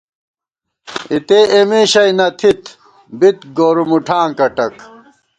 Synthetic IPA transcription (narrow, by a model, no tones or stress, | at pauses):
it̪eːemeːɕɐjnɐt̪ʰit̪ | bit̪ɡoːɾumuʈʰaːŋkɐʈɐk